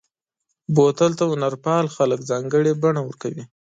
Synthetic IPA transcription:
bot̪əlt̪aʊnaɾpɑlxaləkzɑŋɡəɽebaɳawəɾkawi

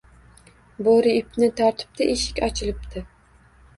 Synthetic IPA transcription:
boɾɪːpnɪt̪ʰɒɾt̪ʰɪ̥p̚t̪ʰɪʔeʃɪ̥kʲɒt͡ʃʰɪlɪp̚t̪ʰɪ

